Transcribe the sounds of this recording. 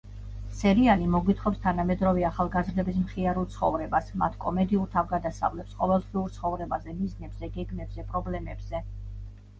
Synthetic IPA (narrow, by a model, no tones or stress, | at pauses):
sɛɾianimɔɡwit̪ʰχɔpst̪ʰanamɛd̪ɾɔviaχalˠɡazɾd̪ɛbis̬mχiaɾulˠt̪sʰχɔ̰vɾɛbasma̰t̪ʰkʼɔmɛd̪iulɾt̪ʰavɡad̪asa̰vlɛpsqʼɔvɛlˠχviuɾt̪sʰχɔvɾɛbazɛmiznɛbz̥ɛɡɛɡmɛbz̥ɛpʼɾɔblɛmɛbz̥ɛ